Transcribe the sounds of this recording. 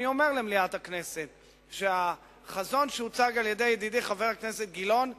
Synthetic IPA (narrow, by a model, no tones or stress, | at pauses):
io̞me̞ʁlemliat̪hakne̞se̞t̪ | ʃea | χazo̞nʃeut͡saɡaljed̪ejed̪id̪ejχave̞ʁakne̞set̪̚ɡilo̞n